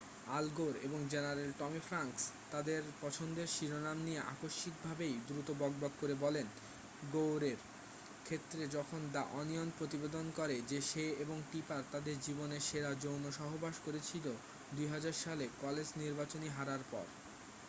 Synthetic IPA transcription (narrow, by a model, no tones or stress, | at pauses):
alɡoɾḛboŋd͡ʑenaɾelʈɔmifɾaŋkst̪ad̪eɾpɔt͡ɕʰond̪eɾʃiɾonamnijeʔa̰koʃːik̚bʱabejd̪ɾut̪obɔɡ̚bɔkːoɾebɔlen | ɡowɾeɾ | kʰet̪ːɾed͡ʑɔkʰond̪aʔɔnijonpɾot̪ibed̪onkɔɾed͡ʑeʃeeboŋʈipaɾt̪ad̪eɾd͡ʑiboneɾʃeɾad͡ʑownoʃɔɦobaʃkoɾet͡ɕʰilo | d̪ujɦad͡ʑaɾʃalekɔled͡ʑniɾbat͡ɕoniɦaɾaɾpɔ̰ɾ